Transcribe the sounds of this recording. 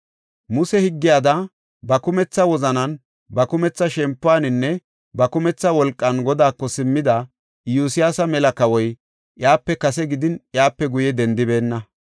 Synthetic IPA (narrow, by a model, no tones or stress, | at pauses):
mʊsɛhɪɡːɪjaːd̪ɐ | bɐkʊmɛt͡sːɐwɔzɐnɐn | bɐkʊmɛt͡sːɐʃɛmpːʊaːnɪnːɛ | bɐkʊmɛt͡sːɐwɔlkʼːɐnɡɔd̪aːkːɔsɪmːɪd̪ɐ | juːsɪjaːsɐmɛlɐkɐwɔj | ʔjaːpːɛkɐs̬ɛɡɪd̪ɪnʔjaːpːɛɡʊjɛd̪ɛnd̪ɪbe̞ːnːɐ